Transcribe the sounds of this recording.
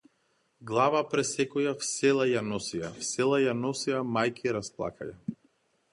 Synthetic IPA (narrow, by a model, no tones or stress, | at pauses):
ɡlˠavapɾɛsɛkɔjafsɛlˠajanɔsijafsɛlˠajanɔsiamajkiɾasplˠa̰kʰaja